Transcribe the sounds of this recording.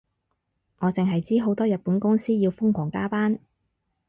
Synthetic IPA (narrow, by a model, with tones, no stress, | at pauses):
ŋɔː˨˧t͡sɪ˨ŋɦɐ˨jt͡siː˥ɦo˨˥wt̪ɔː˥jɐ˨t̚puː˨˥nkʊ˥ŋsiː˥jiː˧wfʊ˥ŋkʰʷɔː˨˩ŋkaː˥paː˥n